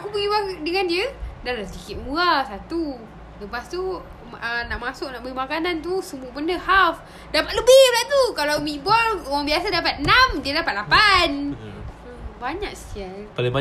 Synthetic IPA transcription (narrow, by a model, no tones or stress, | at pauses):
akubəɣibadəŋandiədalasikɪt̪̚muasat̪u | ləpast̪u | ənaʔmasʊʔ̚naʔbəimakanant̪̬usəmuəbənəhaf | dapat̪ləbɪhbəlaʔt̪ukalawmĩʔbɔloɣaŋbiasadapat̪̚namdiədapat̪̚lapan | əbaɲaʔ̚sə̥t̪ialpalɪŋba